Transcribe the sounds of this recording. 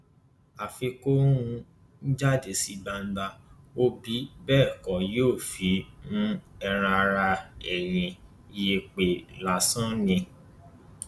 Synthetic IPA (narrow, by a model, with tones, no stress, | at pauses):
a˨fe˧kõ˦ũ˧ | n̩˦d͡ʒa˦˨de˨si˨˦ba˧n̩˦ba˧ | o˦bi˨˦bɛː˦˨kɔ˨joː˦˨fi˨˦nũ˦ɛ˧ɾ̃ã˧ɾa˧ɛ˨ɾ̃ĩ˨ | i˧je˧k͡pe˨la˨sã˦nĩ˧